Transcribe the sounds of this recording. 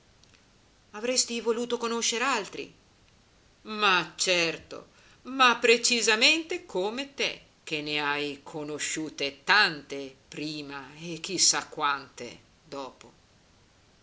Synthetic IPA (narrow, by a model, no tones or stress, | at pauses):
avɾɛst̪ivoluːt̪okonoʃːeɾealt̪ɾḭ | mat͡ʃɛrt̪o̰ | mapːɾet͡ʃizament̪ekʰomet̪e | k̟enːeajkʰonoʃːuːt̪et̪ant̪epɾiːmaek̟ːisːakːwant̪ḛ | d̪ɔːpo